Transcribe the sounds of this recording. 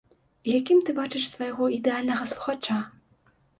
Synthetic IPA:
jakʲimt̪ɨbat͡ʂɨʂsvɐjɣɔid̪ɛalʲnɐɣɐslˠuxat͡ʂa

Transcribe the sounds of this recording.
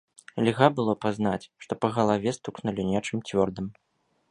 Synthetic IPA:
lʲɣabɨlˠɔpazn̪at͡sʲʂt̪ɔpɐɣɐlˠavʲɛst̪uknulʲinʲɛt͡ʂɨmt͡sʲvʲɔrd̪ɨm

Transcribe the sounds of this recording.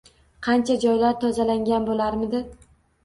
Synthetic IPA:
qʰɑnt͡ʃʰad͡ʒɒjlaɾt̪ʰɒzalaŋɡʲanbolaɾmɪd̪ɪ

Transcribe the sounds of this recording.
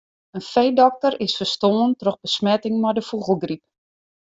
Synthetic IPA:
ənfejdɔk̚tərɪsfərstoːəntrɔxbəsmɛtɪŋmɔjdəfuɣəlˠɡrip̚

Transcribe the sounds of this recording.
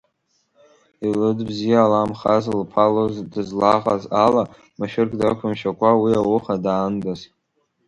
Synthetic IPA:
ilɨdbzijaːlamχazlpʰalozdɨzlaʁʼazala | maʃᶣɪrkʼdakʷʰʊmʃakʷʰʼawiawʊχadaːndaztʼ

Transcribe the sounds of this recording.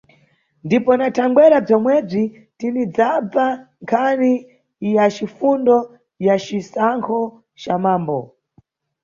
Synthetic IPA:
ndipɔnatʰaŋɡwɛɾab͡ʐɔmwɛb͡ʐi | tinid͡zab͡vaŋkʰani | jat͡ʃifundɔ | jat͡ʃisaŋkʰɔ | t͡ʃamaːmbɔ

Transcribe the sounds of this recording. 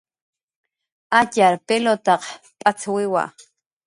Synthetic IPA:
acaɾpelot̪ɑq | pʼat͡swɪwa̰

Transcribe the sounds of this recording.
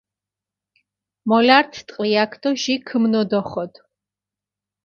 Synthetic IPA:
mɔlaɾt̪ʰt̪ʼqʼliakʰd̪̥ɔʒikʰmnɔd̪ɔχɔd̪̥

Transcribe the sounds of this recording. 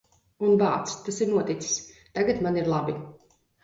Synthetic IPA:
unbaːt̪st̪asiɾnuɔt̪it̪si̥sʲ | t̪aɡat̪maniɾlˠabi

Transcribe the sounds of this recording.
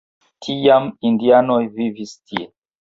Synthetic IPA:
tʰijamindianojvivistʰie

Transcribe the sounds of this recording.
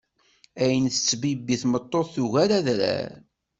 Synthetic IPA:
æjənθə̥t͡sːbibːiθmət̪ˤːoðθuɣæɾæðɾæ̰ɾ

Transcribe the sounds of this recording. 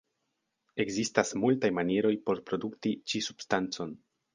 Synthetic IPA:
e̞ɡzistasmultajmaniɾo̞jpo̞ɾpɾo̞duktit͡ʃisubstant͡so̞n

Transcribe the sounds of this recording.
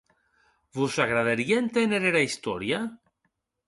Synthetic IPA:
βusaɣɾaðaɾiaent̪eneɾeɾaist̪oɾja

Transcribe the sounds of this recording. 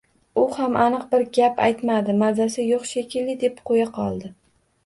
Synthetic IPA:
ʊhamʔanɨq̚bɪɾɡʲapa̰jt̪mad̪ɪmazasɪjoqʃekʲʰɪlːɪd̪e̞p̚qʰojaqʰɒlˠd̪ɪ

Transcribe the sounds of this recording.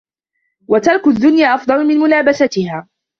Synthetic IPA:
wat̪ɑlkʊðːʊnjaːʔɑfd̪ˤɑlʊmɪnmʊlaːbasat̪ɪhaː

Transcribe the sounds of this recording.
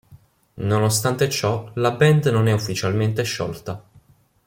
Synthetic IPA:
nonost̪ant̪et͡ʃɔlabɛnd̪nonɛufːit͡ʃalment̪eʃːɔ̰lt̪a

